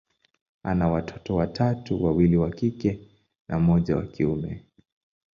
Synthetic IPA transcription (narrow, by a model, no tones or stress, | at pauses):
anawatʰɔtɔwatʰatuwawiliwakikɛ | nʔam̩ɔʄawa̰kiumɛ